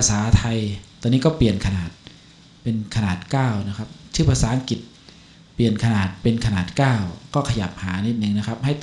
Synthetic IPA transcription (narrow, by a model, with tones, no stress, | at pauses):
pʰa˧saː˨˩˦t̪ʰa˧jt̪ːɔː˧nːiː˦˥kɔː˥˩pli˨˩ənkʰa˧naː˨˩t̪̚ | pe˧nkʰa˧naː˨˩t̪̚kaː˥˩wna˦˥kʰa˦˥p̚t͡ɕʰɯː˥˩pʰaː˧saː˩˦ʔa˧ŋki˨˩t̪̚ | pli˨˩ənkʰa˧naː˨˩t̪̚pe˧nkʰa˧naː˨˩t̪̚kaː˥˩wkɔː˥˩kʰa˧ja˨˩p̚haː˩˦ni˦˥t̪̚nɯ˨˩ŋna˦˥kʰa˦˥p̚ha˥˩j̪